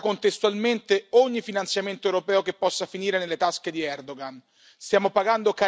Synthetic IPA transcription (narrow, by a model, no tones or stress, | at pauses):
kont̪est̪ualment̪eoɲːifinant̪sjament̪oewɾopɛːokepːɔsːafiniːɾenelːet̪asked̪iɛrd̪oɡan | st̪jaːmopaɡand̪oka